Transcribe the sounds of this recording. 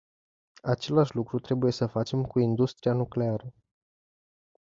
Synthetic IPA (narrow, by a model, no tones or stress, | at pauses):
at͡ʃe̞laʃʲlukɾut̪ɾe̞buje̞səfat͡ʃe̞mkuind̪ust̪ɾianukle̞aɾə